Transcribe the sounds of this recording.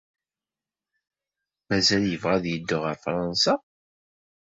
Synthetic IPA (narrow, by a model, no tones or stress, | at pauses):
mæzæljəvʁæðjəd̪ːəʁəɾfɾˤɑnsa